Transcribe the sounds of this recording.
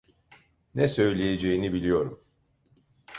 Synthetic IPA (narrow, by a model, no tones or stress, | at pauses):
nɛsø̞jlʲejed͡ʒejinibilʲijo̞ɾum